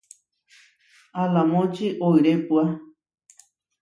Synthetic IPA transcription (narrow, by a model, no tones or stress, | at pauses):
alamõt͡ʃiʔoiɾepwa